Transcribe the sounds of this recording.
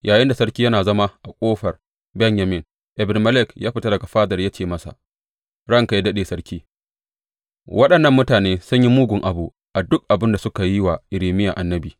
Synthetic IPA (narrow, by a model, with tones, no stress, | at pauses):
jʔaː˨jɪ˦nda˨sɐ˦ɽkʲiː˦jɐ˦naː˨zɐ˦ma˦ʔa˨kʷʼoː˦ɸɐ˨r | bɛ˦njɐ˨mɪ˦n | ʔɛ˨bɪ˨n˨mɐ˦lɪ˦kjaː˦ɸɪ˨ta˦dɐ˨ɡa˨ɸaː˦dɐ˨rja˦t͡ʃeː˨mɐ˦sa̰˨ʔ | ɽɐ˦ŋka˨ji˦dɐ˦ɗeː˨sɐ˦ɽkʲʰiː˦ | wʔɐ˦ɗɐ˨nːɐ˦mːʊ˦taː˨neː˦sʊ˦ɲji˦muː˦ɡʷʊ˨ŋʔa˨bu˦ | ʔa˨dʊ˦k̚ʔa˨bɪ˦nda˨sʊ˦ka˨ji˦wa˨ʔɪ˨ɾiː˨mɪ˦jaː˨ʔa˨nːɐ˦biː˨